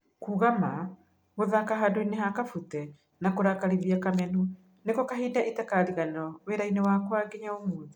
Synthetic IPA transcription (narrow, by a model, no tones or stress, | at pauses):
kuːɣama | ɣoðakaɦadoineɦakafutɛ | nakoɾakaɾiðiakamɛnu | nekokaɦiːdaʔetɛkaɾiɣanɔweɾainewakwaɡeɲaomuːði